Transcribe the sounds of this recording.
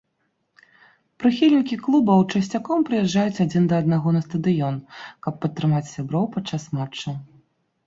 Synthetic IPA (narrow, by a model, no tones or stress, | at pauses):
pɾɨxʲilʲnʲikʲiklˠubɐwt͡ʂɐsʲt͡sʲakɔmpɾɨjɛʐːajut͡sʲad͡zʲind̪ɐːd̪̚naɣɔnɐst̪ɐd̪ɨjɔnkɐpːɐt̪ːɾɨmat͡sʲsʲabɾɔwpat͡ʂːasmat͡ʂːu